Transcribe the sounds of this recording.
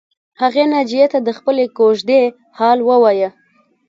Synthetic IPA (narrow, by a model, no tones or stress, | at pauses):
haɣenad͡ʒijet̪ad̪əxpəlekoʒd̪e | hɑlwəwɑjə